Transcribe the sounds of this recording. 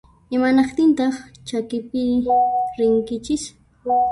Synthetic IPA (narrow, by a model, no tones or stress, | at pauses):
ɪmanɑχt̪ɪnt̪ɑχt͡ʃakɪpɪɾɪŋkɪt͡ʃɪs